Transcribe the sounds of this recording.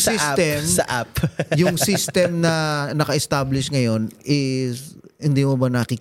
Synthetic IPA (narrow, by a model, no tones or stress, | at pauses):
sist̪ɛmsɐʔapjʊŋsist̪ɛmnɐnɐkɐʔɛst̪ablɪʃŋɐjo̞nɪshɪnd̪iːmʊbɐnɐkik